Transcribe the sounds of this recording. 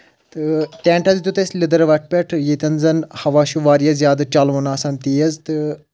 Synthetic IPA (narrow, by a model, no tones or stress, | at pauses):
t̪ɨt̪ẽːɳʈɐzit̪ut̪ɐsʲlid̪ɐɾʋɐʈ̚ʰpʲeʈʰjit̪ɐnzɐnhɐʋaːʃuʋaːɾijɐzʲjaːd̪t͡ʃɐlʋunaːsɐnt̪iːjɐzt̪ɨ